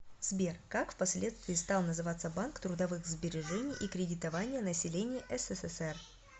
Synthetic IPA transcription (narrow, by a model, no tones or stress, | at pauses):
zbʲerkakfpɐsʲlʲe̞t̪st̪vʲɪːst̪alˠnəzɨvat̪sːəbankt̪ɾʊd̪ɐvɨxzbʲɪɾʲɪʐɛnʲɪjʔikɾʲɪdʲɪt̪ɐvanʲɪjənəsʲɪlʲenʲɪjʔɛsɛsɛsɛr